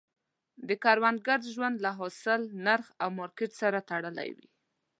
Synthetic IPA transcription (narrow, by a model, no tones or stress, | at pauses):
d̪əkɑɾwand̪̚ɡaɾʒwand̪laɦɔsɪlnaɾxawmɑɾkɪʈsaɾat̪aɽəla̰jwḭ